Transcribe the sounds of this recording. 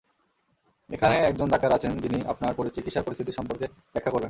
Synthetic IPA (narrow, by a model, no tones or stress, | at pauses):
ekʰaneɛk̚d͡ʑond̪akaɾat͡ɕʰend͡ʑiniapnaɾpoɾit͡ɕikit̪ʃaɾpoɾist̪ʰit̪iɾʃɔmpoɾke | bɛkʰːakoɾlen